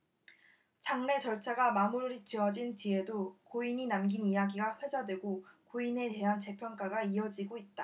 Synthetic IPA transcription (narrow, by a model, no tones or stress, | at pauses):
t͡ɕaŋne̞t͡ɕʌɭt͡ɕʰaɡamamuɾɯɾit͡ɕʰiʌd͡ʑint͡ɕie̞dokoiɲinamɡinijaɡiɡaɸwe̞d͡ʑadwe̞ɡokoine̞te̞ɦant͡ɕe̞pʰjʌnk͈aɡaiʌd͡ʑiɡoit̚t͈a